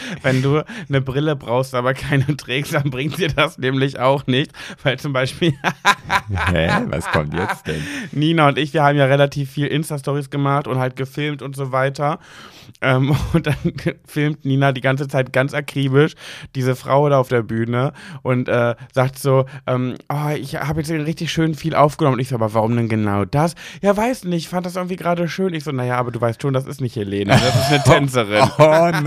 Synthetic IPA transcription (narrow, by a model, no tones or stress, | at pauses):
vɛnduːnəbʁɪləbʁaʊxstʔaːbɐkʰaɪnətʁ̥ɛːkstd̥anbʁɪŋt̚d̥iːɐdasnɛːmlɪçaʊxnɪçtv̥aɪlt͡sʊmbaɪʃpiːlja | hɛ̰va̰skʰɔmtjɛ̰t͡stɛ̰nniːnaʊntʔɪçv̥iːɐhaːbm̩jaːʁelatʰiːfːiːlʔɪnstastɔʁisɡ̥əmaχtʊnthalt̚ɡ̥əfɪlmtʊntz̥oːvaɪtɐ | ʔɛːmʊntd̥anfɪlmtniːnadiːɡant͡sət͡saɪt̚ɡ̥ant͡sʔakʁ̥iːbɪʃd̥iːzəfʁ̥a̰ʊdaaʊfd̥eːɐbyːnəʔʊntʔɛːz̥aːk̚tz̥oːʔɛːmʔɔːɪçhaːbəjɛt͡sʁɪçtɪçʃøːnfiːlʔa̰ʊfɡ̥ənɔməntɪçz̥oːʔaːbɐvaʁʊmdɛnɡənaʊdasjaːvaɪsnɪçfantdas̬ʔɪɐŋ̩tv̥iːɡəʁaːɾəʃøːnɪçz̥oːnajaːʔaːbɐduːvaɪstʃoːndasɪ̰stnɪçtheleːnədasɪstnətʰɛnt͡səʁ̞ɪn